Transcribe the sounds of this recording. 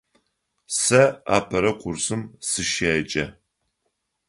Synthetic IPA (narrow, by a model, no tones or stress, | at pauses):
sɐa̰ːpʰɐɾɐqʷʼʊrsɨmsɨʃeːd͡ʒʼɐ